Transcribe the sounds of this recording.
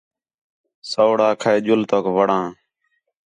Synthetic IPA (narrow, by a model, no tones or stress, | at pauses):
soːɽãːkʰaeːʄʊlt̪oːkʋəɽãː